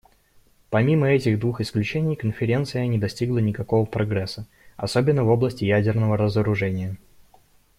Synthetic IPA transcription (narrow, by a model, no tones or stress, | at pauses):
pɐmʲiməɛtʲɪɣd̪vuxɪsklʲʉt͡ɕenʲɪjkənfʲɪɾʲe̞nt̪sɨjənʲɪd̪ɐsʲtʲiɡlˠənʲɪkɐko̞vəpɾɐɡɾɛsːə | ɐsobʲɪnːəvo̞blˠəsʲtʲɪjædʲɪrnəvəɾəzəɾʊʐɛnʲɪjə